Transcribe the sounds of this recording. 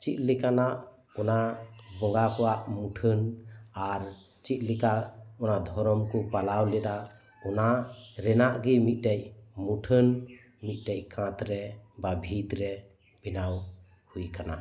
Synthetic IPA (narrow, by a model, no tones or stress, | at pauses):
t͡ʃit̪̚lɛkanaʔ | ɔnabɔŋɡakɔwaʔmuʈʰənaɾ | t͡ʃit̪̚ˀlikaʔɔnad̪ʱɔɾɔmkɔpalawlɛd̪aʔ | ɔnaɾɛnaʔɡimit̪̚ˀʈɛjmuʈʰən | mit̪̚ˀʈackʰãt̪ɾɛbabʱit̪ɾɛ | binaw | hujkana̰